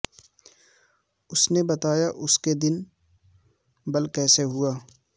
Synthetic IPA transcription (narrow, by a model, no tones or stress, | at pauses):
ʊsnebɐt̪aːjaʔʊsked̪ɪn | bɐlkɛːseɦʊaː